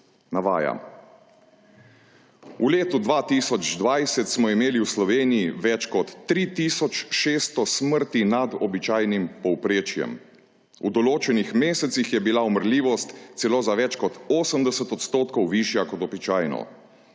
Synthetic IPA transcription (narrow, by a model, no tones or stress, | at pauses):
naʋa̰ːja̰ | uleːt̪ud̪ʋaːt̪iːsɔd͡ʒd̪ʋajsɛt̪smɔimeːliwslɔʋeːnijiʋɛt͡ʃkɔt̪ːɾit̪iːsɔt͡ʃʃeːst̪ɔsməɾt̪inad̪ɔbit͡ʃaːjnimpɔwpɾeːt͡ʃjɛ̰m | ṵd̪ɔloːt͡ʃɛnixmeːsɛt̪sixjɛbilaɔməɾliːʋɔst̪t̪sɛloːzaʋɛt͡ʃkɔt̪oːsəmd̪ɛsət̪ɔt̪st̪oːt̪kɔwʋiːʃjakɔt̪ɔbit͡ʃaːjnɔ̰